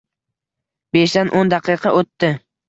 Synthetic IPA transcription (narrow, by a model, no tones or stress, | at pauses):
beʃd̪anʔond̪ɑqʰɨqʰɑʔot̪ːɪ